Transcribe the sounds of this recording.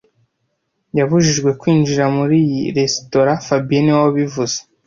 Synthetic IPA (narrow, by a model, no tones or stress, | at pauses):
jaβuʒiʒɡwe̞kwiːnd͡ʒiɾamuɾijiɾe̞sto̞ɾafabieniwawoβivuz̥e